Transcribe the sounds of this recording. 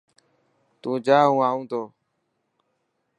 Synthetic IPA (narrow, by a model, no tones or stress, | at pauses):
t̪ũːd͡ʒaːɦũːaːũːt̪oː